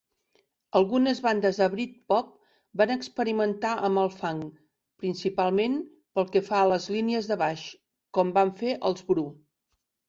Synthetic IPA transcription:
əlˠɣunəzβand̪əzðəβɾit̪̚pɔp̚ | banəkspəɾimənt̪aʔəmbəlˠfaŋ | pɾinsipalˠmen | pəlˠkɛfaələzliniəzðəβaʃ | kɔmbaɱfeʔəlˠzβɾu

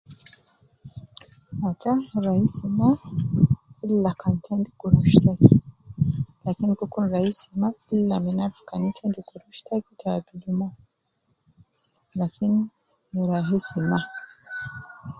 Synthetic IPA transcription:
ataɾahisima | illakʰantʰɛndikuɾuʃtaki | lakinikukunɾahisimaillaminaɾfkanitʰɛndikuɾuʃtʰakitabid͡ʒumɔ | lakini | ɾaɦisima

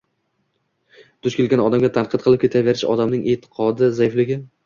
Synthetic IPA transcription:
d̪̥ʊʃkʲelɡʲanɒd̪amɡʲat̪ʰanqʰɨt̪̚qʰɨlˠɪp̚kʰʲet̪ʰaveɾɪʃɒ̰d̪amnɪŋʔet̪ʰɪ̥qʰɒd̪ɪzajɪflɪɡʲɪ

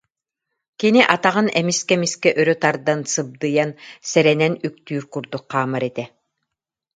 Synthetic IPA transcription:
kiniʔat̪aʁɯnɛmiskɛmiskɛʔœɾœt̪aɾd̪ansɯb̚d̪ɯjansɛɾɛnɛnyk̚t̪yːɾkuɾd̪uk̚ːaːmaɾɛt̪ɛ

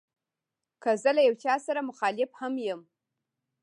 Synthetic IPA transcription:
kəzəlajawt͡ʃɑsaɾamʊxɑlɪfhamjəm

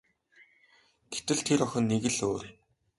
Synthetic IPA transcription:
ɡ̥et̪ɘ̆ɮt̪ʰeɾɔxʲɞ̆nːeɣɘ̆ɮoːr

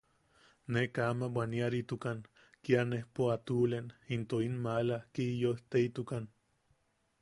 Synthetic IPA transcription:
nekaːmawaniaɾit̪ukan | kianehpoat̪ulenint̪oinmalakijoht̪eit̪ukan

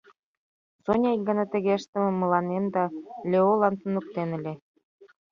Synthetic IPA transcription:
sonʲɑjɡɑnɑt̪ə̆ɣeʃt̪ə̆mĕmːɤ̆lɑnemd̪ɑlʲeolˠɑnt̪unuk̚t̪enɘ̆lʲĕ

